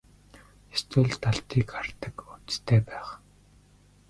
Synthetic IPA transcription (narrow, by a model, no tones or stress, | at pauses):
est̪wɘ̆ɮt̪ʰːaɬt̪iːkar̥t̪ə̆kun̥t͡st̪ʰeːpæːχ